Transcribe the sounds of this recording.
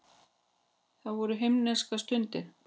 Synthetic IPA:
θaðvɔɾʏɦejmnɛnskast̪ʏnt̪ɪɾ̥

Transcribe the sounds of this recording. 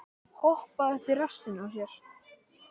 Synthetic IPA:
hɔhpaðɛht̪ɪrḁsːɪnawsjɛɾ̥

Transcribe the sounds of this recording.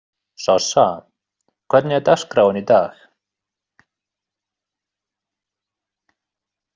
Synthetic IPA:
sɔsa | kʰwɛdnjad̪askɾawənid̪aːx

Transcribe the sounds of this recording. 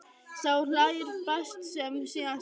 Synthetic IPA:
sawlajɪɾfɛst̪sɛmsian

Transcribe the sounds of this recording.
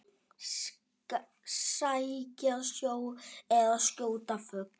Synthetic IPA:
sajcaðsjoːwɛðascoːwt̪afœk̚n

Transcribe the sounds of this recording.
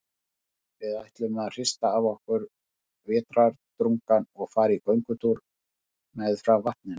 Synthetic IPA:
vɪðajht̪lʏmɛðar̥ɪst̪aavɔhkʏɾ | vɛːt̪ɾaɾt̪ɾuŋkanɔɣfaːɾikœɥŋkʏt̪ʰuɾ | mɛðfɾavːaht̪̚nɪn

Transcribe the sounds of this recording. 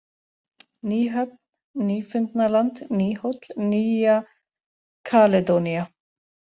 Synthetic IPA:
niːɦab̚ | niːfɪnt̪nalant̪niːhɔt̪lniːa | kʰaled̪onja

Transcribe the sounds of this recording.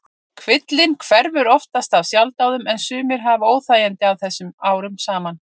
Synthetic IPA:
kʰvɪt̪lɪnkʰvɛɾvʏɾɔft̪ast̪avsjawlt̪awðʏmɛnsʏːmɪɾ̥ɦavoːwθajant̪ɪawθɛsːʏmaːwɾʏmsaːman

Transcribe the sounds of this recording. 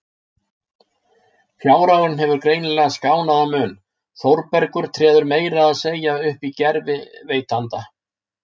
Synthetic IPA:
fjaːwɾawɪnɦɛvʏɾkɾeːjnɪlɛɣaskaːwnaðamʏːn | θowɾpɛɾkʏɾ̥t̪ʰɾɛːðʏɾmeːjɾaðaðseːjaʏhpicɛɾvɪveːjt̪ʰant̪a

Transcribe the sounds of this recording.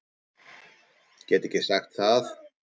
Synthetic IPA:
cɛːt̪ɪcɪsaxt̪θað

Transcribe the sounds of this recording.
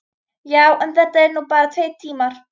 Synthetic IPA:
jawʔənðədɪnːuːbaɾtʰejd̚tʰiːmar

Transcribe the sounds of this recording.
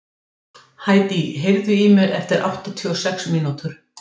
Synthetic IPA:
haːjt̪iɦejvðʏimɪɾɛ̰ft̪ɪɾʔa̰wht̪at̪ʰʏɔsɛksmiːnut̪ʏɾ̥

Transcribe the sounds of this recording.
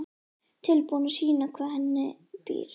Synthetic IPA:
t̪ʰɪlpownasiːnakʰvaːðhɛnːɪ | pḭːɾ

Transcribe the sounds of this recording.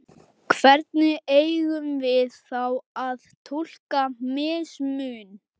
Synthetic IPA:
kʰvɛɾt̪̚nɪeːjɣʏmvɪðθawaðt̪ʰul̥kamɪːsmʏːn

